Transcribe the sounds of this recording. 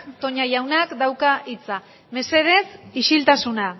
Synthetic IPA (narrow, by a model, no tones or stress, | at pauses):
t̪o̞ɲajawnakd̪awkaʔit͡sa | me̞se̞ðe̞siʃilt̪asuna